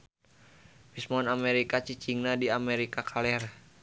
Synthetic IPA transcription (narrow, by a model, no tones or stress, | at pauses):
bismɔnamɛɾikat͡ʃit͡ʃiŋnadiamɛɾikakʰalɛr